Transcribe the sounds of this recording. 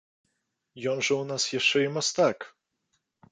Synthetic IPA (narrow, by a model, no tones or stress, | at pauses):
jɔnʐɛunasjɛʂt͡ʂɛimɔst̪ak